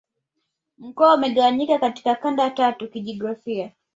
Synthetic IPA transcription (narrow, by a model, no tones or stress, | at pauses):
m̩kɔaumɛɠawaɲikakati̥kakandaatatukiʄɔɡɾafia